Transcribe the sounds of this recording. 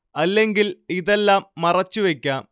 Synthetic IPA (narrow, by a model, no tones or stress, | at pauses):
ɐlːe̞ŋɡiliðe̞lːaːmːɐrɐt͡ɕːuʋe̞kʲːaːm